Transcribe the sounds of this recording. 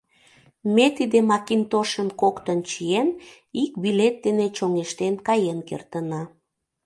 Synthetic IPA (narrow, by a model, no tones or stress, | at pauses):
met̪id̪emɑkint̪oʃəmkokt̪ənt͡ɕien | ik̚bilet̪̚d̪enet͡ɕoŋeʃt̪enkɑjenkḛrt̪ənɑ